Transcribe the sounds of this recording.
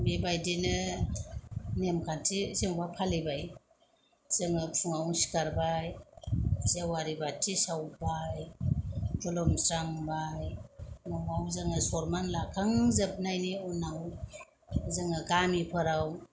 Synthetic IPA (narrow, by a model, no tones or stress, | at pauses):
bebajdinɯ | nemkʰantʰizeŋbapʰalibaj | z̥ɯŋɯpʰuŋawsi̥kaɾbaj | zewaɾibatʰisawbaj | ɡɔlɔmsɾaŋbajnɔwawzaŋɯsɔɾmanlakʰaŋzəp̚najniɔnaw | zɯŋaɡamipʰɯɾaw